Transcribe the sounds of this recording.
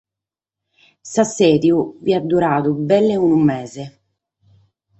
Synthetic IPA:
sasɛːd̪juviad̪ːuɾaːt̪ubɛlːeunumːɛːze

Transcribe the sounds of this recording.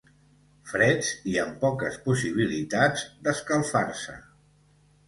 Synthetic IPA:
fɾɛd͡ziəmpɔkəspusiβ̞ilit̪ad͡zd̪əskəlˠfaɾsə̰

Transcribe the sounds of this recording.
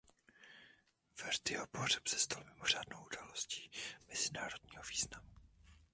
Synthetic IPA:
vɛrd̪ɪopor̝ɛpsɛst̪almɪmor̝aːdnowʔudaːlosci̥ːmɪzɪnaːɾo̞d̥ɲiːɦoviːznamu

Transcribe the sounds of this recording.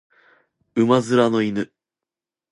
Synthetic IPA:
ɯmazɨɾano̞inɯ

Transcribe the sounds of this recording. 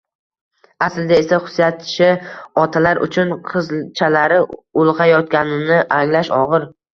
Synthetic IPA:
aslɪd̪ae̞saχʊ̥sjat̪̚t͡ʃʰɪɒt̪ʰalaɾʔʊ̰t͡ʃʰʊnqʰɨzt͡ʃʰalaɾɪʊlˠʁɑjɒt̪kʲanɪnɪʔaŋlaʃɒʁɨɾ

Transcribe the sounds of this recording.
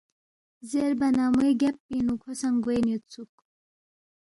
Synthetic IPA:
zeɾbɐnamueɡapːinukʰosaŋɡojnet̪t͡sʰuk

